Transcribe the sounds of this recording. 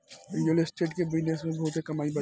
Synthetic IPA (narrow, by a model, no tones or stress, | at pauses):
ʋɪ̃ɖəlɪsʈeːʈkebɪd͡ʒnesmẽbɐɦʊt̪ɦekɐmaːibɐ